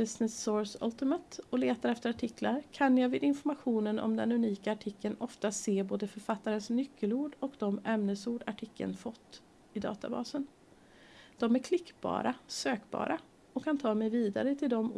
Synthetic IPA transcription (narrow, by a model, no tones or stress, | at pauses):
bɪsnɪsːoːsɵ̰lt̪ɪmat̪ɔleːt̪aɾɛft̪əɾaʈʰɪklaɾkʰanjɑːvɪd̪ɪnfɔɾmaɧuːnənɔ̰md̪ɛnʉniːkaːʈʰɪkʰːənɔft̪aseːboːd̪əfœɾfat̪ːaɾənsnʏkʰːəluːɖɔkd̪ɔmɛmnəsuːɖa̰ʈʰɪkʰːə̰nfɔt̪ː | ɪd̪ɑ̰ːt̪a̰bɑ̰ːsən | d̪̥ɔmæɾkʰlɪkːbɑ̰ːɾʔasøːkbɑ̰ːɾa | ɔkʰːant̪ʰɑːmɛjviːd̪aɾət̪ʰɪld̪ɔm